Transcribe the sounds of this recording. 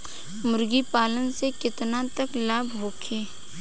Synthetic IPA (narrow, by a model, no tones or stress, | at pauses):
mʊɾɡipaːlənsekɪt̪nat̪ɐklaːbʱɦoːkʰeː